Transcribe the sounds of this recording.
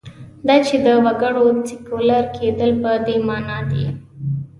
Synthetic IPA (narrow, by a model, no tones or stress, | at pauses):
d̪at͡ʃed̪əwɐɡəɽosikolaɾkʰed̪əlpəd̪emɑnɑd̪ḛ